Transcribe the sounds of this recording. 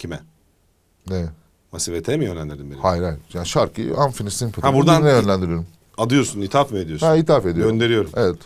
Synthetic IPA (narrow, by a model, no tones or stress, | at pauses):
cʰimɛ | nɛ | masivet̪ʰɛmijønlʲænʲeɾimbeihajɾajjaːniʃaɾkʰɯ̰anfinist̪inpʰat̪abuɾd̪anejønlʲænd̪iɾijo̞ɾum | ad̪ɯjo̞ɾsunit̪ʰafmied̪ijosait̪ʰafe̞d̪ioøɾnd̪e̞ɾijo̞ɾumevɛt̪